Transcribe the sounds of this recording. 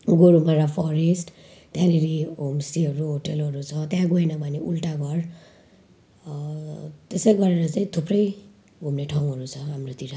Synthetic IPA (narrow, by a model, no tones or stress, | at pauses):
ɡoɾumaɾapʰɔɾesʈ | t̪jãɾeɾiomsiɦʌɾuɦoʈelɦʌɾut͡sʰʌt̪jãɡojnʌbʱʌneʔulʈaɡʱʌr | t̪esʌjɡʌɾeɾʌt͡saĩt̪ʰuprʌj | ɡʱumneʈʰʌŋɦʌɾut͡sʰʌɦamrot̪iɾa